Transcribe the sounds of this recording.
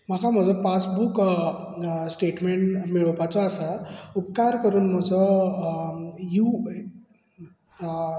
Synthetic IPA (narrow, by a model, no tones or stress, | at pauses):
m̤akʰam̤əd͡zɔpasbuk | sʈeʈmeɳʈmiɭəpat͡sɔːsaupkaɾkəɾuːnm̤əd͡zɔ | ju